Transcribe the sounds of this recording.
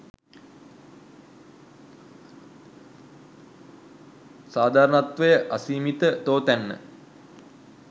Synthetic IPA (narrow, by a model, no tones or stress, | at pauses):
saːd̪ʱaːɾənat̪ʋəjəʔasiːmit̪ət̪oːt̪ænːə̰